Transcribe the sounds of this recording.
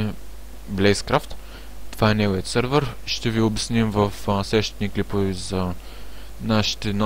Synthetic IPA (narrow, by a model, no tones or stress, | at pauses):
blɛjskɾaft̪ | t̪ːovaɛnɛɡojət̪səɾvəɾʃt̪ɛviobɛsnimvɐfsɛʃt̪it̪niklipovɛzɐ | naʃi̥t̪ɛn